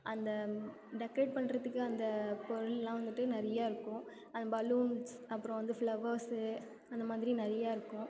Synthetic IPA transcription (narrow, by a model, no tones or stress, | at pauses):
ʔɐnd̪ɐ | ɖɛkɾeːɖ̚pɐɳːɾɐðɯkːɯɐnd̪ɐpɔɾɯɭlãːʋɐnd̪ɯʈːɯnɪɾɐjaːɪɾɯkːʊ̃ | ɐnd̪ɐbɐluːms | ɐpːɯɾɔ̃ʋɐnd̪ɯfɭɐʋɐɾsɯ | ɐnd̪ɐmaːðɪɾinɛɾɐjaːɪɾɯkːʊ̃